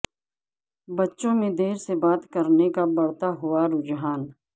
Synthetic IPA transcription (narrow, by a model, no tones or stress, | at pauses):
bɐtːʃõmẽd̪eːɾsebaːt̪kɐɾnekabɐɽt̪aɦʊaɾʊd͡ʒɦaːn